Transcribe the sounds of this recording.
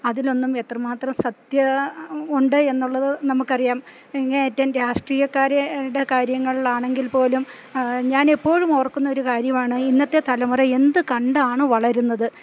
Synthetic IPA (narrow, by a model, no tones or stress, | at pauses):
ɐðilo̞nːume̞t̪rɐmaːt̪rɐmsɐt̪jɐuɳɖɨe̞nːuɭːɐðɨnɐmukːɐrijaːm | iŋːɐneːtːaːnɾaːʂʈriːjɐkːaːɾɐuɽe̞kaːɾjɐŋːɐɭɭaːɳe̞ŋɡilpo̞ːlum | ɲaːne̞pːo̞ːɻumoːrkːunːɐo̞ɾukaːɾjɐmaːɳɨinːɐt̪ːe̞t̪ɐlɐmɐrɐe̞nd̪ɨkɐɳɖaːɳɨʋɐɭɐɾunːɐðɨ